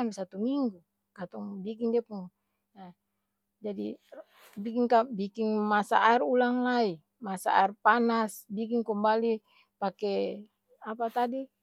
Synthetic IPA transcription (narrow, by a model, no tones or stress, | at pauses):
misat̪umiŋɡu | kat̪ɔŋbikiŋdɛpuŋ | na | d͡ʒadi | bikiŋkabikiŋmasa̰ʔaɛrulaŋlai | masa̰a̰ɛrpanasbikiŋkɔmbali | pakɛ | apat̪adi